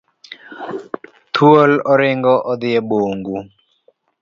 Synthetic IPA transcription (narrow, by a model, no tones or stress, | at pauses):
t̪ʰuolɔɾɪŋɡɔʔɔd̪ɪɛboːŋɡu